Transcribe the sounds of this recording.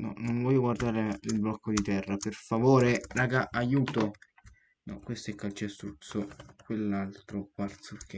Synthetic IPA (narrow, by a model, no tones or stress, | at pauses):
nɔ̰noɱvɔːjːoɡward̪aːɾeilblɔkːod̪it̪ɛrːaperfavoːɾeɾaɡaʔajuːt̪o | nɔ̰kwest̪ɛkːalt͡ʃɛst̪ɾut̪sokwelːalt̪ɾokart̪sukːe